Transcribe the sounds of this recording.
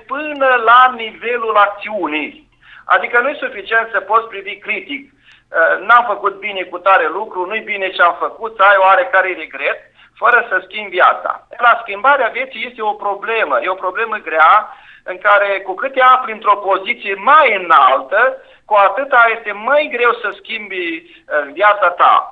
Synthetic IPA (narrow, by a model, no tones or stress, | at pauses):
pɨnəlanive̞lulak̚t̪siunij | a̰d̪ikənujesufit͡ʃie̞nt̪səpo̞t̪spɾivikɾit̪ik̚ | ənamfəkut̪̚bine̞kut̪aɾe̞lukɾunujbine̞ʃiamfəkut̪səajoaɾe̞kaɾeɾe̞ɡɾe̞t̪̚ | fəɾəsəskʲimbvja̰t̪sa̰laskʲimbaɾeavjet̪sije̞st̪eopɾo̞ble̞məjeo̞pɾo̞ble̞məɡɾea | ɨŋkaɾe̞kukɨt̪eaplint̪ɾo̞po̞zit̪sije̞majɨnalt̪ə | kuat̪ɨt̪aje̞st̪e̞majɡɾe̞wsəskʲimb | vjat̪sat̪a̰